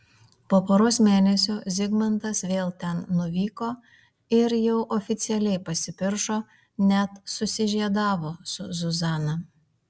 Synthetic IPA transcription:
poːpoːɾoːsmʲeːnʲɛsʲoːzʲɪɡmɐnt̪ɐsʋʲeːlˠt̪ʲɛnnʊʋʲiːkoː | ɪɾjɛʊʔɔfʲɪt̪sʲɪɛlʲɛɪpɐsʲɪpʲɪɾʃoː | nʲɛt̪sʊsʲɪʒʲiɛd̪ɑːʋoːsʊzʊzɑːnɐ

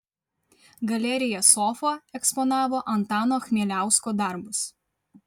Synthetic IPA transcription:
ɡɐlʲɛɾʲɪjɛsɔfoːɛkspɔnɑːʋoːʔɐnt̪ɑːnoːxʲmʲiɛlʲæˑʊskoːd̪ɐˑɾbʊs

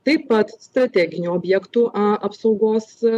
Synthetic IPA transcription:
t̪ɐɪpːɐt̪st̪ɾɐt̪ʲæːɡʲɪnʲuoːbʲjɛkt̪uʔɐɐpsɒʊɡoːs

